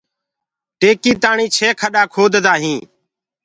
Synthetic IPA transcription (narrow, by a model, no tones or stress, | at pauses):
ʈeːkiːt̪aːɳĩːt͡ʃʰeːkʰəɗaːkʰoːd̪ʱd̪aːɦĩː